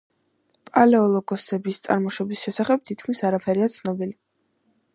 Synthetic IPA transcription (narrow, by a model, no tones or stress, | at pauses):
pʼalɛɔlˠɔɡɔsɛbist̪sʼa̰ɾmɔʃɔbisʃɛsaχɛb̥̚t̪ʰit̪̚kʰmisaɾapʰɛɾiat̪sʰnɔbili